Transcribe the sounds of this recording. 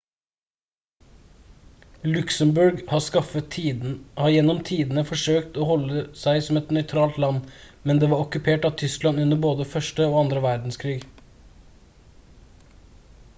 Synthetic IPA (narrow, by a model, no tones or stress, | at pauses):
lʉksəmbʉɾɡhɑskɑfəːhɑːjɛnɔmt̪ʰiːd̪nəfɔʂøːkt̪oːhɔlːəsæɪsɔmɛt̪nœʏt̪ʰɾɑːlt̪lɑnmɛnd̪eːʋɑːɾɔkʉpʰeːʈɑʋt̪ʰʏsklɑnʉnəboːd̪əfœʂʈəoːɑnd̪ɾəʋæɾd̪n̩skʰɾiːɡ